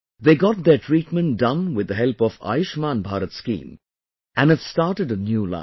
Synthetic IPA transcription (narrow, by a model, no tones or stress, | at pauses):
ðeɪɡɑt̪̚ðətʰɹiːt̚mə̃nt̚dʌ̃nwɪd̪ːəɦɛlˠpɔva̰ɪʃmaːnbʱaːɾətskḭ̃ːm | ʔɨ̃nɨv̥staɹʈəɖənjulã̰